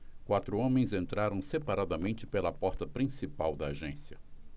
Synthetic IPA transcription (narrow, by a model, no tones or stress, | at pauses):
kwat̪ɾʊõmẽj̃zẽnt̪ɾaɾɐ̃w̃sepaɾad̪ɐmẽnt͡ʃɪpelɐpɔɾt̪ɐpɾĩsipawd̪ɐːʒẽsjɐ